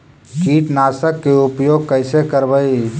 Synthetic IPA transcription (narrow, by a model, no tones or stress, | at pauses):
kiːʈnasəkːeupjoɡ̚kəɪsekəɾbəi